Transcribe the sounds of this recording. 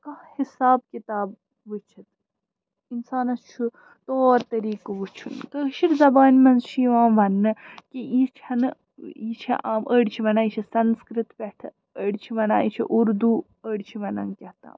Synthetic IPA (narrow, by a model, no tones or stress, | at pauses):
kɐhhisaːb̚kʲit̪aːb̚ | ʋɨt͡ʃʰit̪ | insaːnɐst͡ʃʰu | t̪oːɾt̪ɐɾiːkʋut͡ʃʰunk̪əʃiɾzɐbaːnʲmɐnzʃiːʋãːʋɐnːɨkiit͡ʃʰɐnɨ | it͡ʃʰiʔaːmʔəːɽt͡ʃʰiʋɐnãːit͡ʃʰisɐnskɾɨt̪pɐʈ̪ʰɨ | əɽt͡ʃʰiʋɐna̰ːit͡ʃʰḭʔuɾd̪uː | əɽt͡ʃʰiʋɐnɐ̰nkʲɐht̪a̰ːm